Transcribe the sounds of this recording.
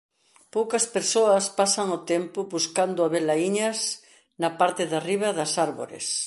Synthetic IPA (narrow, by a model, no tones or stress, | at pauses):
powkɐspeɾsoɐspasɐŋot̪empʊβuskand̪ʊaβelaiɲɐs | nɐpaɾt̪eðariβ̞ɐðɐsaɾβo̰ɾḛs